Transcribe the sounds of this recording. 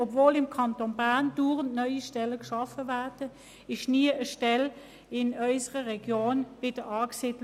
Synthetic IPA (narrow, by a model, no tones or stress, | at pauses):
ɔbvoːlɪmkʰɑntonbaɐnd̥uːʁəntnœʏiʃtɛləkʃɑfəvæɐd̥ə | ɪʃniəəʃtɛl | ɪnœʏsəʁəʁɛɡ̥joːnvɪd̥əɑːksɪd